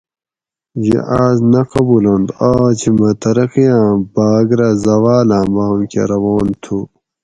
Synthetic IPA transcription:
jḛʔaːznɐqɐbulɐnd̪aːt͡ɕʰimɐt̪ɐɾɐqijãːbaːɡɾɐzɐwaːlãːbamkʰḛɾɐwoːnt̪ʰu

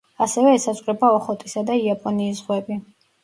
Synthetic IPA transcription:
asɛvɛːsazʼqʼɾɛbaɔχɔt̪ʼisad̪aiapʼɔniːs̬zʁwɛbi

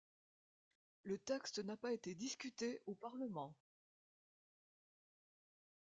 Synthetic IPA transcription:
lət̪ɛkst̪napaet̪ed̪iskʲyt̪eʔopaʁləmɑ̃

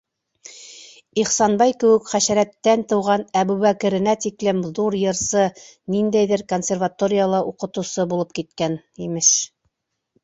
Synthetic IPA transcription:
iχsɑnbɑjkɘ̆wɘkχæɕæɾæt̪ːænt̪ɤ̆wʁɑnæbʉβækɘ̆ɾɘ̆næt̪iklɘmðuɾjɤ̆ɾsɤnind̪æjðɘɾkonsʲervat̪oɾʲɪjalˠɑʔuqɤ̆t̪ɤ̆sɤbulˠɤp̚kit̪kæn | imɘʃ

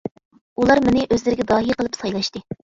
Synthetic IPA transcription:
ulˠɑɾmɪnɪʔøzlɪɾɪɡʲɛd̪ɑːɦiqəlˠɨpsɑjlˠɑʃt̪ɨ

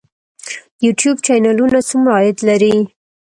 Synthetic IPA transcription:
juʈjubt͡ʃajnalunasəmɾɑjɪd̪laɾi

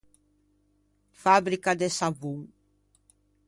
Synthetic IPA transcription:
fabɾikad̪esaβuŋ

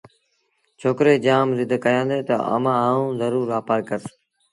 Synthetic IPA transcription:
t͡ʃʰoːkɾeːd͡ʒaːmzɪd̪ʱkəjãːd̪eːt̪ə̰ʔə̰mãːɦaːũːzəɾuːɾʋaːpaːɾkəɾs

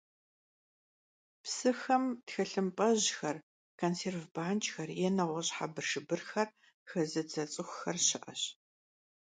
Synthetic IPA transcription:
psɨxɐmtxɐɬɨmpʼɐʑxɐr | kʰonseːrvbaːnt͡ʃʼxɐrjɛnɐʁʷɔɕʼħabɨrʂɨbɨrxɐr | xɐzɨd͡zɐt͡sʼɨxʷxɐrɕɪʔɐ̰ɕ

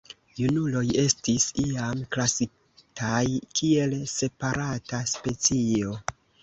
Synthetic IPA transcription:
junulo̞je̞stisiamklasi | tʰajkʰie̞lse̞paɾʔataspe̞t͡sio̞

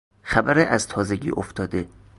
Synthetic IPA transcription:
xæbæɾeʔæzt̪ʰɒːzeɡḭːʔoft̪ʰɒːd̪e

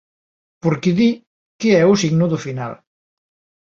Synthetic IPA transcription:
poɾkeði | keɛusiɡnuðufina̰l

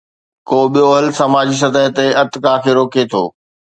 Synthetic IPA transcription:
koːɓijoɦəlsɐmaːd͡ʑiːs̬ɐt̪əɦt̪eɐt̪ɪkakʰeːɾoːket̪ʰo̰ː

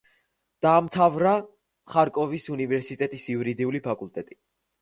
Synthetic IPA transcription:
d̪̥aːmt̪ʰavɾa | χaɾkʼɔvisunivɛɾsit̪ʼɛt̪ʼisiuɾid̪iulipʰakʼult̪ʼɛt̪ʼi

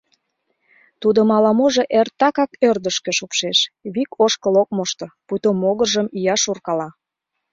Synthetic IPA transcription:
t̪ud̪omɑlɑmoʒeʔert̪ːɑkɑkørd̪əʃkĕʃupʃeʃβikoʃkəlok̚moʃt̪oput̪omoɣəʒəmijɑʃurkɑlɑ

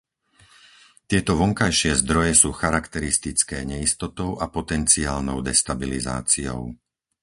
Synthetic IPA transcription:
t̪ɪɛt̪ɔʋɔŋkajʃɪɛzd̪ɾɔjɛsuːxaɾakt̪ɛɾist̪it͡skɛːɲɛist̪ɔt̪ɔʊʔapɔt̪ɛnt͡siaːlnɔʊd̪ɛst̪abiliza̰ːt͡siɔ̰ʊ

